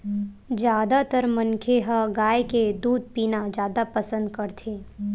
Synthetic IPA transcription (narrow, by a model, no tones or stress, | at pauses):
d͡ʒjaːd̪at̪əɾmɐnkʰeɦaɡaːeked̪uːd̪̚piːnad͡ʒjaːd̪apɐsə̃nd̪̚kɐɾt̪ʰeː